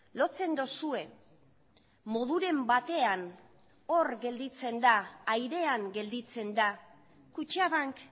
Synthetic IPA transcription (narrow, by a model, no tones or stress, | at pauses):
lo̞t͡se̞nd̪osue̞ | mo̞ðuɾe̞mbat̪e̞an | o̞ɾɡe̞ld̪it͡se̞nd̪aːjɾe̞aŋɡe̞ld̪it͡se̞nd̪a | kut͡ʃaβaŋk